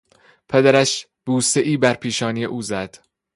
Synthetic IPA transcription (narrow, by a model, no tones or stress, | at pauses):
pʰed̪æɾæʃ | b̥uːseʔiːbæɾpʰiːʃɒːnijḛʔuːzæd̪̥